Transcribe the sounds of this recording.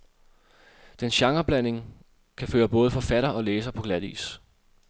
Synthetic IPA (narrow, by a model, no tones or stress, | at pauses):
d̥enɕɑ̈ŋɐb̥læn̰e̝ŋ | kʰæføːɐb̥ɔ̽ːð̞̩ˠfɒ̽fæɾɐɒ̽leːsɐpʰɒ̽ɡ̥læðˠḭːs